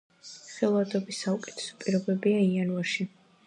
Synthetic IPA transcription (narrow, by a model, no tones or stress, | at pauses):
χɛlˠvad̪ɔbisaukʼɛ̥t̪ʰɛ̥sɔ̥pʼiɾɔbɛbiaianvaɾʃi